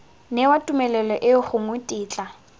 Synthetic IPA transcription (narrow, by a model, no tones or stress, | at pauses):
nɛwatʼumɛlɛlɔʔɪχʊŋʊtʼiːt͡ɬʼa